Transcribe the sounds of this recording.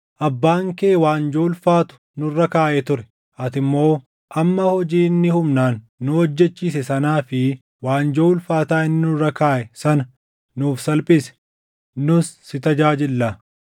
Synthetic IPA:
ʔɐbːaːŋkeːwaːnd͡ʒo̞ːlfaːt̪ʊ̥ | nʊrːɐkaːʔɛt̪ʊɾɛ̥ | ʔɐt̪ɪmːo̞ː | ʔɐmːɐhɔd͡ʒiːnːɪhʊmnaːnː | ʊɔd͡ʒːɛt͡ʃːiːs̬ɛsɐnaːfɪ | waːnd͡ʒoːlfaːt̪aːɪnːɪnʊrɐkaːʔɛsɐnɐ | nuːfsɐlpʼɪsɛ̥ | nʊsːɪt̪ɐd͡ʒaːd͡ʒɪlːaː

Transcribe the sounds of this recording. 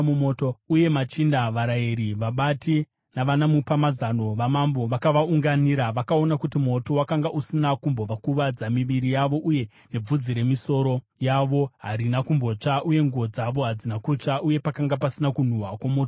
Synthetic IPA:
umoːtouje̞mat͡ʃindaʋaɾaiɾiʋaɓati | naʋanamupamazano̞ʋamambo̞ʋakaʋauŋɡaniɾaʋakao̞nakutimo̞to̞wakaŋɡaʔusinakumbo̞ʋakuʋad͡zamiʋiɾijaʋo̞ʔuje̞ | ne̞b͡vud͡ziɾe̞miso̞ɾo̞ | jaʋo̞ɦaɾinakumbo̞t͡ʂaʔuje̞ŋɡuod͡zaʋo̞ɦad͡zinakut͡ʂaʔuje̞pakaŋɡapasinakun̤uɦakwamo̞ːto

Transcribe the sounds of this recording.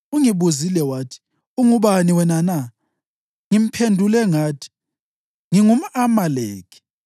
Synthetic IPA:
uŋiβuzilɛwaːtʰi̥ | uŋuɓaniwɛnana | ŋim̩pʰendʱulɛŋaːtʰi̥ | ŋiŋum̩amaleːkʰi̥

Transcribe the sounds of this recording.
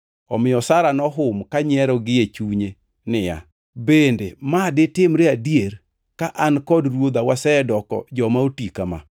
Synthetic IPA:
ɔmɪjɔsaɾanɔɦʊmkaɲɛɾɔɡɪet͡ʃuɲe | nɪja̰ | bendemadɪtɪmɾeadijeɾ | kaʔankɔdrwod̪awasɛɛdɔkɔ̰d͡ʒɔmaotikama̰

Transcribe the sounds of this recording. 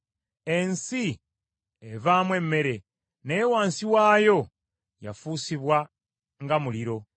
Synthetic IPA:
e̞nsi | evaːmwe̞mːe̞ɾe̞ | newaːnsiwaːjo̞ | ja̰fuːsiβwa | ŋɡamuliɾo̞

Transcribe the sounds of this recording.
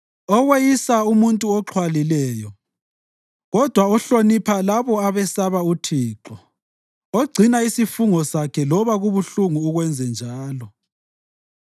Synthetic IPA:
ɔwejisaumuntʼuɔǃʰwalilɛːjɔ | ɣɔd̥ʱwaɔɬonipʰalaβɔaβɛsaβautʰiːǁɔ | oɡ͡ǀʱinaisifuŋɔsakʰɛlɔβaɣuβuɬuŋuːɣwɛnd͡zʱɛnd͡ʒʱaːlɔ

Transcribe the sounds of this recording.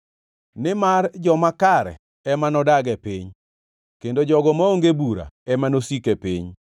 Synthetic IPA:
nɪmard͡ʒɔmakaɾɛ̰ | ɛmanɔdaɡɛpiɲ | kendod͡ʒɔɡɔmaoŋɡebuɾa̰ɛmanosikepiɲ

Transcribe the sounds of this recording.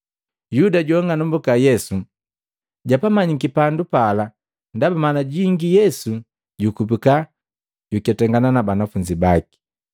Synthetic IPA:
judaɟɔŋɡanɔmbukajɛsu | ɟapamaɲikipandupala | ndabamanaɟiŋɡijɛsu | ɟukup̬ika | ɟukɛtɛŋɡananabanafuɲd͡ʒibaki̥

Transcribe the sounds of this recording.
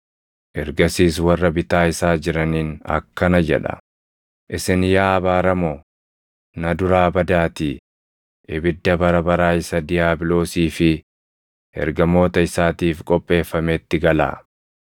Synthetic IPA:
ʔɛɾɡɐsiːswɐrːɐbɪt̪aːɪsaːd͡ʒɪɾɐniːnɐ̰kːɐnɐd͡ʒɛ̰ᶑɐ̰ | ʔɪsɪnjaːɐbaːɾɐmɔ | nɐd̪ʊɾaːbɐd̪aːt̪iː | ʔɪbɪd̪ːɐbɐɾɐbɐɾaːɪsɐd̪ɪjaːbɪlo̞ːsiːfɪ | ɛ̰ɾɡɐmo̞ːt̪ɐɪsaːt̪iːfkʼɔpʼːe̞ːfːɐmeːt̪ːɪɡɐla̰ː

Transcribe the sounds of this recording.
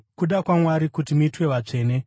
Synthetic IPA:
kuɗakwamwaɾikutimuitwe̞ʋat͡ʂe̞ːne̞

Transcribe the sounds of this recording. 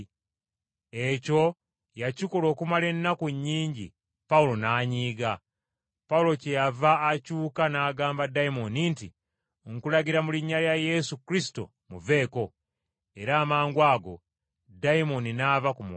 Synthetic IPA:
e̞co̞ | jaciko̞lo̞ːkumale̞nːakuɲːiːɲɟḭ | paulo̞naːɲiːɡa | paulo̞cejavaːcuːkanaːɡaːmbadaimo̞ninti | ŋkulaɡiɾamuliɲːaljaje̞sukɾisi̥to̞̰ | muve̞ːko̞ | e̞ɾaːmaːŋɡwaːɡo̞̰ | daimo̞ninavakumu

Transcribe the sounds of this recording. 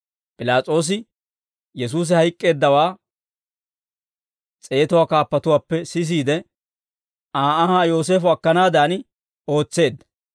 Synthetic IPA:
pʼɪlaːt͡sʼo̞ːs̬ɪ | jɛs̬uːs̬ɪhɐjkʼːe̞ːd̪ːɐwaː | t͡sʼe̞ːt̪ɔwaːkaːpːɐt̪ʊwaːpːɛsɪs̬iːd̪ɛ | aːɐhaːjo̞ːs̬e̞ːfʊɐkːɐnaːd̪aːn | o̞ːt͡sːe̞ːd̪ːɐ̥

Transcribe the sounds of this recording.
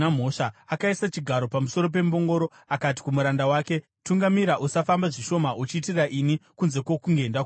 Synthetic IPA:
am̤oʂaakaisat͡ʃiɡʱaɾo̞pamuso̞ɾo̞p̬e̞mbo̞ŋɡo̞ɾo | akat̬i̥kumuɾandawaːke̞ | tuŋɡamiɾaʔusafambaʐiʃo̞maut͡ʃiːt̬irraʔinikunze̞kwo̞kuŋɡe̞ndak

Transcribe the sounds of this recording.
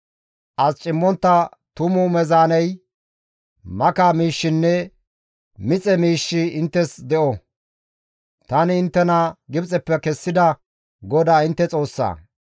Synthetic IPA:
ʔɐst͡ʃʼɪmːɔnt̪ːɐt̪ʊmʊmɛzaːnɛj | mɐkaːmiːʃːɪnːɛ | mɪt͡sʼɛmiːʃːɪɪnt̪ːɛsd̪ɛʔɔ | t̪ɐnɪɪnt̪ːɛnɐɡɪbt͡sʼɛpːɛkɛsːɪd̪ɐ | ɡɔd̪aːɪnt̪ːɛt͡sʼo̞ːsːa̰ː

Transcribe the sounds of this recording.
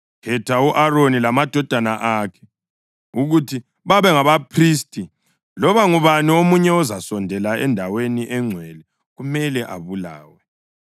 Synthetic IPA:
kʰɛtʰauʔaronilamad̥ʱɔd̥ʱanaʔakʰɛ̥ | uɣutʰi | βaβɛŋaβapʰriːstʼi | lɔβaŋuβaniomuɲɛɔzasɔndʱɛlaɛndʱaweniʔɛŋ͡ǀʱwɛlɛ | ɣumɛlɛʔa̰βula̰ːwɛ

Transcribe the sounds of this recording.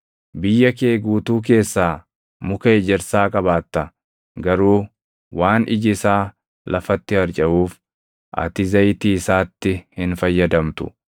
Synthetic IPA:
bɪjːɐkeːɡuːt̪uːk̬e̞ːsːaː | mʊkɐed͡ʒɛɾsaːkʼɐβaːt̪ːɐ | ɡɐɾuː | waːnʔɪ̰d͡ʒɪsaː | lʔɐfɐt̪ːɪhɐɾt͡ʃʼɐʔuːf | ʔɐ̰t̪ɪzɐjt̪iːɪsaːt̪ːɪhɪnfɐjːɐd̪ɐmt̪ʊ̰

